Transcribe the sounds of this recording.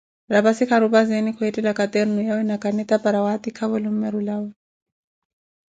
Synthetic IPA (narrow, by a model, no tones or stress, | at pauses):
lapasikʰaɾupazenikʰwɔɛtilakat̪ɛɾnujawɛnakʼanɛt̪ʼapaɾawat̪ikʰaβɔlim̩mɛɾulaːwɛ